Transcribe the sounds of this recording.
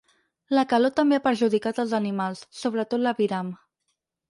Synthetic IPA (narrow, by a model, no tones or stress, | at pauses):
ləkəlot̪əmbeapəɾʒuðikat̪əlˠzənimalˠsːoβɾət̪ot̪ləβiɾam